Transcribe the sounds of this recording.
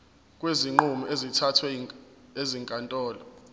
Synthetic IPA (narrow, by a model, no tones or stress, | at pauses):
kʼweziŋ͡ǃumɔʔezitʰatʰwɛ | eziŋkʼantʼɔːlɔ